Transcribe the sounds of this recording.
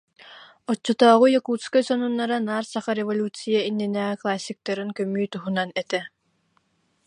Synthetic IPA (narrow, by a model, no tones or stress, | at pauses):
ɔt͡ɕːɔt̪ɔːʁujɔkuːskɔsɔnunːaɾanaːɾsaχaɾɛvɔlʲut͡sijainːinɛːʁklˠasʲːik̚t̪aɾɯnkœmyːt̪uɦunanɛt̪ɛ